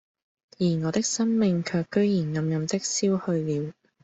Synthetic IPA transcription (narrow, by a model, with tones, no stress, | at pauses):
jiː˨˩ŋɔː˨˧t̪ɪ˥k̚sɐ˥nmɪ˨˧ŋkʰœː˧kːɵ˥ɥjiː˨˩nŋɐ˨˧mjɐ˨mt̪ɪ˥k̚siː˥whɵ˧ɥliː˨˧w